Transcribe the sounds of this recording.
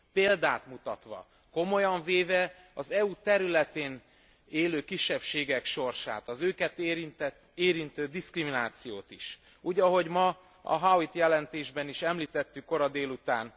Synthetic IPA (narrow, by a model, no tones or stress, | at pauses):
peːld̪aːt̪mut̪ɒt̪ʋɒ̰ | ko̞mo̞jɒɱveːvɛ | ɒzɛut̪ɛɾylɛt̪eːn | eːløːkiʃːɛpʃeːɡɛkʃo̞rʃa̰ːt̪ɒzøːkɛt̪ːɾint̪ɛt̪eːɾint̪øːd̪iskriminaːt̪sijoːt̪iʃ | uːɟɒɦo̞ɟmɒ | ɒ̰ɦawit̪jɛlɛnt̪eːʒbɛniʃɛmliːt̪ɛt̪ːykːo̞ɾɒd̪eːlut̪aːn